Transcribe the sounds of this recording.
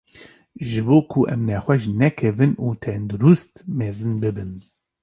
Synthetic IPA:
ʒɨboːkʰuʔɛmnɛxwɛʃnɛkʰɛvɨnuːt̪ʰɛnd̪uɾust̪mɛːzɨnbɨbɨn

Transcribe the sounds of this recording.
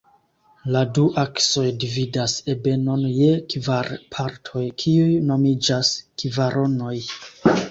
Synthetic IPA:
laduʔakso̞jdividase̞be̞no̞nje̞kvaɾpʰaɾtʰo̞jkʰiujno̞mid͡ʒaskivaɾʔo̞no̞j

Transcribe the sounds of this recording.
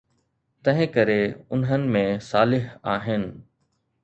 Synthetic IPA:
t̪ɐ̃ɦɪ̃kɐɾeʊnɦənɪ̆mẽsaːlɪɦaːɦɪnɪ̆

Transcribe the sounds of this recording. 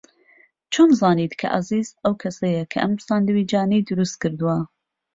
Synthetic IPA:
t͡ʃʰonzɑːniːt̪kʰɐ̰ʔɐ̰ziːzɐwkʰɐsɐjɐkʰɐ̰ʔɐmsaːnd̪ɨwiːd͡ʒɑːnid̪ɨɾust̪̚kɨɾd̪uwɐ

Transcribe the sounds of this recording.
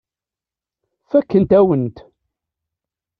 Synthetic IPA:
fækːənt̪æwənt̪

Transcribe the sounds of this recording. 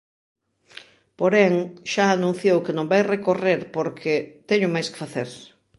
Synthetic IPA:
poɾɛŋʃaːnũn̟θjowkenõmbajrekoreɾpoɾkʰɪt̪ɛɲʊmajske̥faθḛɾ

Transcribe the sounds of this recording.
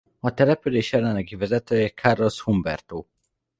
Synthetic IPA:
ɒt̪ɛlɛpyleːʃɛlːɛnːɛɡivɛzɛt̪øːjɛkʰarloshumbɛ̰rt̪oː

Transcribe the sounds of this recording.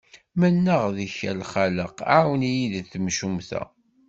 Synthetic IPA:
mənːəʁðiçælχaləqawənijiðθəmʃumθæ̰

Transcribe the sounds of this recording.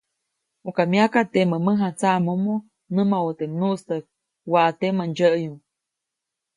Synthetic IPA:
ukamiakat̪eməməɦat͡samomo | nɨmaot̪emnuʔst̪ək̚ | waʔt̪emand͡ʒəʔjuŋ

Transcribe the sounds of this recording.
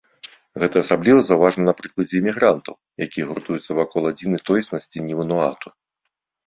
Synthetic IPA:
ɣɛt̪ɐːsablʲivɐzɐwvaʐnɐnɐpɾɨklˠɐd͡zʲɛːmʲiɣɾant̪ɐw | jakʲijɛɣurt̪ujut̪sɐvakɔlˠad͡zʲinɐjt̪ɔjsnɐsʲt͡sʲinʲivɐnɔat̪u̥

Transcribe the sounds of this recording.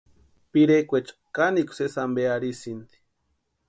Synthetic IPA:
piɾekʷet͡ʃḁkanikʷu̥sesambeaɾisind̪i̥

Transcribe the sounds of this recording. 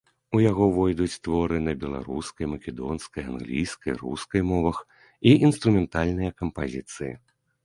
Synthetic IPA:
ujaɣɔvɔjd̪ut͡sʲt̪vɔɾɨnɐbʲɛlˠa̰ɾṵskɐjmɐkʲɛd̪ɔnskɐjanɣlʲijskɐjrṵskɐjmɔvɐx | iʔinst̪ɾumʲɛnt̪alʲnɨjɐkɐmpazʲit̪sɨjḭ

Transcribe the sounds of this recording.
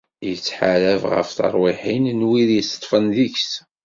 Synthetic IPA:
jət͡sːħaɾævʁə̰fθə̰ɾˤwiħinnwiðjəst̪ˤːfənðiçs

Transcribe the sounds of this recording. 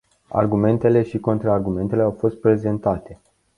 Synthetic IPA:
a̰rɡume̞nt̪e̞le̞ʃiko̞nt̪ɾaːrɡume̞nt̪e̞leawfo̞st̪̚pɾe̞ze̞nt̪at̪e̞

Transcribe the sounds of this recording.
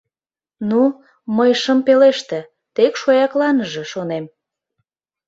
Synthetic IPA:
nu | məjʃəmpeleʃt̪ĕ | t̪ekʃojɑklɑnəʒeʃonem

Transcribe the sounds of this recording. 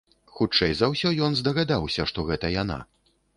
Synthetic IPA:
xut͡ʂɛjzawsʲɔjɔnzd̪ɐɣad̪awsʲɐʂt̪ɔɣɛt̪ɐjana̰

